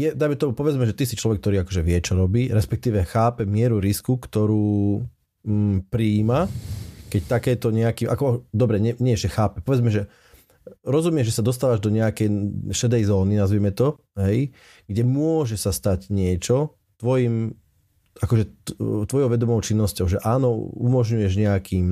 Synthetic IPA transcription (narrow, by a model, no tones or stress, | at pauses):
jɛd̪ajmɛt̪ɔmupɔʋɛd͡zmɛʒɛt̪isit͡ʃlɔʋɛk̚t̪ɔɾiːakɔʒɛʋɪɛt͡ʃɔɾɔbiːɾɛspɛk̚t̪iːʋɛxaːpɛmɪɛɾuɾiskukt̪ɔɾuː | pɾiːmakɛct̪akɛːt̪ɔɲɛakiːmʔakɔd̪ɔbɾɛɲɛɲɪɛʒɛxaːpɛpɔʋɛd͡zmɛʒɛ | ɾɔzumɪɛʒɛsad̪ɔs̬t̪aːʋaʒd̪ɔɲɛakɛjʃɛd̪ɛjzɔːninazʋiːmɛt̪ɔ | ɦɛj | ɡɟɛmʊɔʒɛsast̪aɟɲɪɛt͡ʃɔ | t̪ʋɔjim | ʔakɔʒɛt̪ʋɔjɔʊʋɛd̪ɔmɔʊt͡ʃinːɔscɔʊʒɛʔaːnɔumɔʒɲujɛʒɲɛakiːm